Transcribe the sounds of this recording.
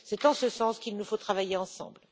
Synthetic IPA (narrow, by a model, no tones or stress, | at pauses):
sɛt̪ɑ̃səsɑ̃skilnufot̪χavajeɑ̃sɑ̰̃bl